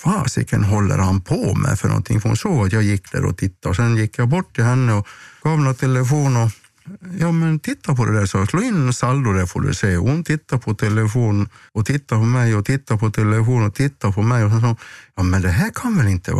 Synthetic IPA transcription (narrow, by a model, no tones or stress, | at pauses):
fɑːsɪ̰kːənɦɔlːə̰ɾhanpʰɔmɛ̰fœɳɔ̰nt̪ʰɪ̰ŋfɔɾhʊ̰nsoːɡat̪jɑːjɪkːd̪æ̰ːɾɔ̰t̪ʰɪt̪ːaɔsɛnjɪkːjɑbɔʈːɪhɛnːəɔɡ̥ɑːʋnot̪ʰɛlːəfoːnɔ | jɑːmɛnt̪ʰɪt̪ːaɾpʰɔd̪ɛd̪æːɾsɔsloːɪnːsɑlːʊd̪ɛfɔ̰ɖʉ̰sɛːɔhʊnt̪ʰɪt̪ːaɾpʰɔt̪ʰɛlːəfoːnɔt̪ʰɪt̪ːaɾpʰɔmɛjɔt̪ʰɪt̪ːapʰɔt̪ʰɛlːəfoːnɔt̪ʰɪt̪ːapʰɔmɛjɔhɛnsɑːjɑːmɛnd̪ɛɦæːɾkʰanʋɛlɪnt̪ːə̰